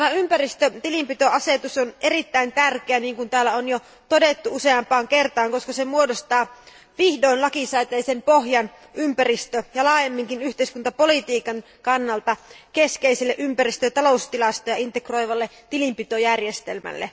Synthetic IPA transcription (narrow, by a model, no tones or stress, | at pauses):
t̪æmæympærist̪øt̪ilimpit̪oɑset̪usonʔerit̪ːæint̪ærkeæniːŋkunt̪æːlːæonjo | t̪odet̪ːuuseɑmpɑːŋkert̪ɑːŋkoskɑsemuodost̪ɑː | ʋihdoinlɑkisæit̪eisempohjɑn | ympærist̪øjɑlɑːjemːiŋkinyht̪eiskunt̪ɑpolit̪iːkɑŋ | kɑnːɑlt̪ɑkeskeiselːeʔympærist̪øt̪ɑloust̪ilɑst̪ojɑint̪ekro̞jʋɑlːet̪ilimpit̪ojærjest̪elmæ̰lːḛ